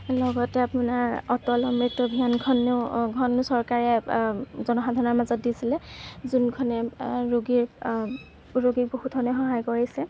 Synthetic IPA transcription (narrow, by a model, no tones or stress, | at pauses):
lɔɡɔtɛapunaɹɔtɔlɔmɹitɔbʱiankʰɔnːeʊɡʱɔnːʊsɔɹkaɹɛ | zɔnɔxadʱaɹɔnɔɹmazɔt̚disilɛzunkʰɔnɛɹoɡiɹ | ɹoɡiɹbohutʰɔnɛxɔɦajkoɹisɛ